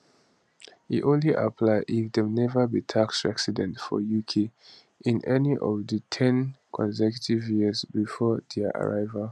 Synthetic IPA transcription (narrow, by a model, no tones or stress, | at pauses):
hḭʔõnliʔa̰pʰlaɪʔifdɛmnɛvəbitʰaksɹɛksidɛ̃ntfɔ̰jukʰe | ʔĩnʔɛniʔɔvdətʰɛ̃nkʰɔ̃nsɛkjutivjiəzbifɔdɛʔa̰ɹaɪvəl